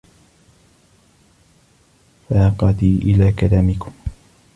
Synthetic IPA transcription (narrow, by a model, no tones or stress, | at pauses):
faqɑd̪iːʔɪlaːkalaːmɪkʊm